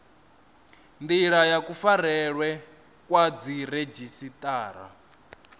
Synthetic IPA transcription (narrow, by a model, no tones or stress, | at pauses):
nd̪iɺajakufaɾɛɺwɛ | kʼwad͡ziɾed͡ʒisit̪ʼaːɾa̰